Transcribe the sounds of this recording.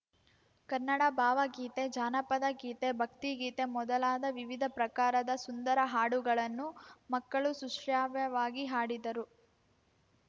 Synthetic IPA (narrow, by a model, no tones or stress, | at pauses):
kɐɾnːɐɽɐbʱaːʋɐɡiːt̪e̞d͡ʒaːnɐpɐd̪ɐɡiːt̪e̞bʱɐk̚t̪iɡiːt̪e̞mɔd̪ɐlaːd̪ɐʋiʋid̪ʱɐpɾɐkaːɾɐd̪ɐsund̪ɐɾɐɦaːɽuɡɐɭɐnːumɐkːɐɭusuʂaːʋjɐʋaːɡiɦaːɽid̪ɐɾu